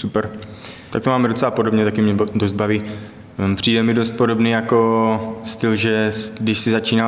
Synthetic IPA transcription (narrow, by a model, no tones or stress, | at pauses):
supɛɾt̪ak̚t̪omaːmɛdot͡sɛlapo̞dobɲɛt̪akɪmɲɛdozd̪̚baviː | pr̥iːdɛmɪdost̪̚po̞ɾo̞bniːjako̞st̪ɪlʒɛsdɪʃsɪzat͡ʃiːna